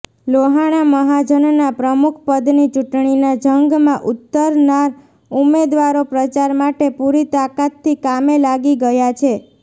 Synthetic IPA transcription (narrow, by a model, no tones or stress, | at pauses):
loɦaɽ̃aməɦad͡ʒənnapɾəmukʰpəd̪nit͡ʃuʈɳ̃inad͡ʒəŋɡmãʔut̪ːəɾnaɾ | umed̪ʋaɾopɾət͡ʃaɾmaʈepuɾit̪akat̪ʰːikamelaɡiɡəjat͡ʃʰe